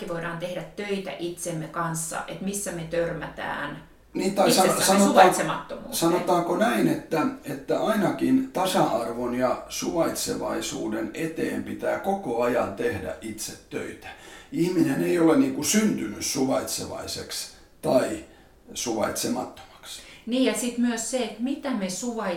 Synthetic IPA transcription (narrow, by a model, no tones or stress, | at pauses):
kːiʋoiɾɑːnt̪ehɾæt̪tøit̪æ̰ʔit̪semːekɑnsːɑ̰ʔet̪misːæmet̪ørmæt̪æ̰ːn | niːt̪ːɑisɑsɑnooɑit̪semɑt̪ːomṵːsɑnot̪ɑːkonæinet̪ːæet̪ːæʔɑinɑkint̪ɑsɑɑrʋonjɑsuʋɑit̪sḛʋɑisṵːdenet̪eːmpit̪æːkokoɑjɑnt̪ehdæ̰ʔʔit̪set̪tø̰it̪æ̥ihmineneioleniːŋkusynt̪ynyssuʋɑit̪sḛʋɑ̰isḛks | t̪ɑi | suʋɑ̰it̪semɑt̪ːo̥mɑ̥ksniːjɑsit̪myøsseet̪mit̪æmesuʋɑi